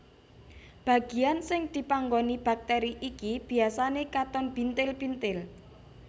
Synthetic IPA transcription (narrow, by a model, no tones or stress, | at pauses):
b̥a̤ɡ̥i̤ansɪŋd̪̥i̤paŋɡonib̥a̤k̚t̪ɛɾiʔikib̥i̤asanekat̪ɔmpint̪ɪlpint̪ɪl